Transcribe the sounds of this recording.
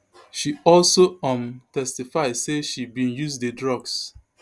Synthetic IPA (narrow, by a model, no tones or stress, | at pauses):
ʃiɔlsoɔ̃mtɛstifaɪdseʃibĩnjuzdedɹɔɡs